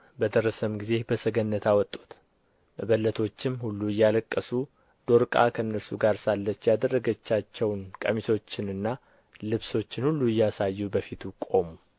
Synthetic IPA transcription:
bəd̪əɾəsəmɡize̞bəsəɡənːət̪ʰawɔt̪ʼːu̥t̪ | bəlːət̪ʰo̞t͡ʃːɪmhulːujaləkʼːəsu | d̪̥o̞ɾkʼa̰kʰənːəɾsuɡaɾsalːət͡ʃːjad̪ərːəɡət͡ʃːat͡ʃːɛwnkʼə̰miso̞t͡ʃːɪnɨnːa | lɨβso̞t͡ʃːɪnhulːuɪjɛasajːubəfit̪ʰukʼo̞mu

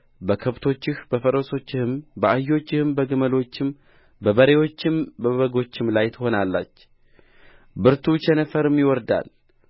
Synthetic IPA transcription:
bəkʰəβt̪ʰo̞t͡ʃːɪhbəfəɾo̞so̞t͡ʃːɪhɨmbəajːo̞t͡ʃːɪhɨmbəɡɨməlo̞t͡ʃːɪm | bəbəɾe̞wo̞t͡ʃːɪmbəβəɡo̞t͡ʃːɪmlajt̪ʰəho̞nalːa̰t͡ʃː | bɨɾt̪ʰut͡ʃɛnəfəɾɨmjɪwɔɾd̪a̰l

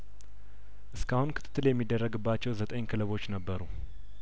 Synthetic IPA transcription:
ʔɨskahunkʰɨt̪ʰɨ̥t̪ːɨljɛmːid̪ːərːəɡɨbːat͡ʃːɛwzət̪ʼəɲkʰɨləβo̞t͡ʃːnəbːəɾu

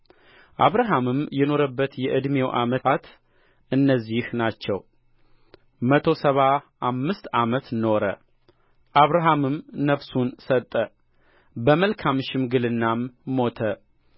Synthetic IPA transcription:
ʔaβɾaɦamɨmjɛno̞ɾəbːət̪jɛʔɨd̪me̞wʔa̰məat̪ | ʔɨnːəzːihnat͡ʃːɛw | mət̪ʰo̞səβa | amːɨst̪amət̪no̞ɾə̰ | ʔaβɾaɦamɨmnəβsunsət̪ʼːə | bəməlkʰamʃɪmɡɨlɨnːamːo̞t̪ʰə

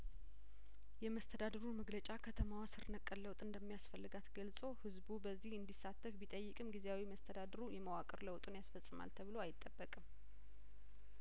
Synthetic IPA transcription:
jɛməst̪ʰəd̪ad̪əɾuməɡlət͡ʃʼakʰət̪ʰəmawasɨɾnəkʼːəlləwt̪ʼɨnd̪əmːijasfəlːɨɡat̪ɡəlsʼo̞hɨzbubəzːihɨnd̪isːat̪ʰːəfbit̪ʼəjːɨkʼɨmɡizeawiməst̪ʰəd̪ad̪əɾujɛməwakʼɨɾləwt̪ʼunjasfəsʼɨma̰lt̪ʰəβɨlo̞ajɪt̪ʼːəbːəkʼɨm

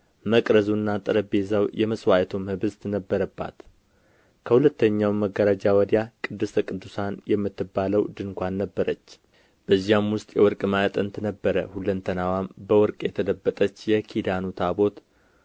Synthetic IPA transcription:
məkʼɾəzunːat̪ʼɨɾəbezawjɛməswajt̪ʰomhɨbɨzt̪nəbːəɾəbːa̰t̪ | kʰəhulət̪ːəɲːawməɡːəɾad͡ʒawəd̪jakʼɨd̪ːɨst̪ʰəkʼɨd̪ːusanjɛmːɨt̪ːɨbːaləwd̪ɨŋkʷanːəbːəɾət͡ʃː | b̥əzːihamwʊst̪ʼjɛwɔɾkʼmaət̪ʼənt̪nəbːəɾəhulənt̪ʰənawambəwɔɾkʼjɛt̪ʰələbːət̪ʼət͡ʃːjɛkʰid̪anut̪ʰabo̞t̪

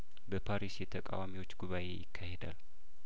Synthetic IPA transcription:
bəpʰaɾisjɛt̪ʰəkʼa̰wamiwot͡ʃːɡuβaʔe̞̰jɪkʰːahed̪a̰l

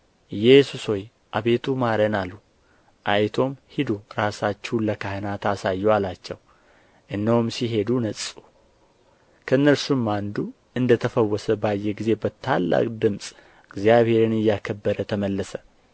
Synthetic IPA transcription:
ɨjɛsusho̞j | ʔaβe̞t̪ʰumaɾənalːu | ʔajt̪ʰo̞mhid̪oɾasat͡ʃːɪhuləkʰahenat̪asajːɛwalat͡ʃːɛw | ʔɨnːəwumsiɦe̞d̪unəsʼu | kʰəɨnːəɾsumːand̪u | ʔɨnd̪ət̪ʰəfəwːɔsəbajːeɡize̞bət̪ʰalːa̰kʼd̪ɨmsʼ | ɨɡzijaβhe̞ɾɨnɨjːakʰəbːəɾət̪ʰəməlːəsə

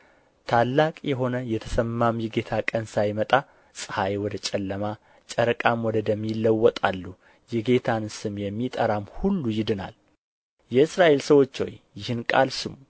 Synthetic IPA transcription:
t̪ʰalːakʼjɛɦo̞nəjɛt̪ʰə̥səmːamjɪɡe̞t̪ʰakʼənsajmət̪ʼa | sʼɨhajwɔd̪ət͡ʃʼɛlːəma | t͡ʃʼəɾəkʼamwɔd̪əd̪ɛmːilːəwːɔt̪ʼa̰lːu | jɪɡe̞t̪ʰansɨmjɛmːit̪ʼəɾamhulːujɪd̪ɨna̰l | jɛɨsɾaʔe̞lsəwo̞t͡ʃːo̰jjɪhɨnkʼa̰lsɨmu

